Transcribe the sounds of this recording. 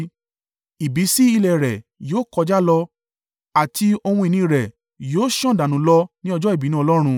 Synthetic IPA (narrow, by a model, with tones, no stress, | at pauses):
i˨bi˨˦si˦i˧lɛ˨ɾɛ˨joː˦kɔ˧d͡ʒa˦lɔ˧ | a˨ti˧o˧hũ˧i˨nĩ˧ɾɛ˨ | joː˨˦ʃɔ̃˦˨da˨nũ˨˦lɔ˧nĩ˦ɔ˧d͡ʒɔ˦i˦˨bi˨˦nũ˦˧lɔ˦ɾ̃ũ˧